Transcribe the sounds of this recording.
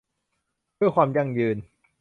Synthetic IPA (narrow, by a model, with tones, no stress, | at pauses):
du˥˩əjkʰwaː˧mja˧˩ŋjɯː˧n